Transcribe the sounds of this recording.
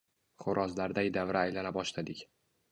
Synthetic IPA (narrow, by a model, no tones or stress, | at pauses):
χʊɾʔɒzlaɾd̪ajd̪avɾaajlalabɒʃlad̪ɪkʲ